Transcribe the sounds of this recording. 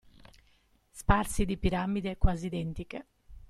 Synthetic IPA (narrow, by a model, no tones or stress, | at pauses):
spaɾsid̪ipiɾamːid̪ekwazid̪ɛnt̪ike